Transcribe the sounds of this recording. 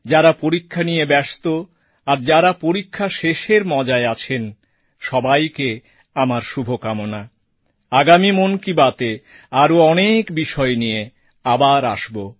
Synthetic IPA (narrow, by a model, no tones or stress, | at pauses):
d͡ʑaɾapoɾikʰːanijebɛst̪o | aɾd͡ʑaɾapoɾikʰːaʃeʃeɾmɔd͡ʑaeat͡ɕʰen | ʃɔbajke | amaɾʃubʱokamona | aɡamimonkibat̪e | aɾoɔnekbiʃɔenije | abaɾaʃbo